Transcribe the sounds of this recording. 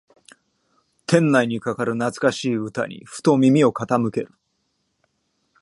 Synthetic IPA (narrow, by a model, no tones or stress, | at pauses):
t̪ʰẽ̞nːaiɲ̟ikakaɾɯ̟nat͡sɨ̥kaɕiːɯ̟t̪a̰ɲ̟ḭɸɯ̟̥t̪o̞mʲimʲio̞kat̪amɯ̟ke̞ɾɯ̟